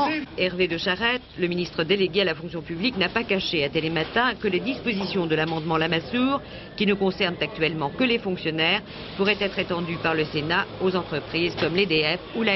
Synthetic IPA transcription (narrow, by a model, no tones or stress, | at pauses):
ɛʁved̪əʃaʁɛt̪ləminist̪χəd̪eleɡʲealafɔ̃ksjɔ̃pybliknapakaʃeat̪elemat̪ɛ̃kəled̪ispozisjɔ̃d̪əlamɑ̃d̪mɑ̃lamasuːʁ | kʲinəkɔ̃sɛʁnt̪ak̚t̪ɥɛlmɑ̃kəlefɔ̃ksjɔnɛːʁ | puʁɛt̪ɛt̪χet̪ɑ̃d̪ypaʁləsenaozɑ̃t̪χəpχizkɔmled̪eɛfula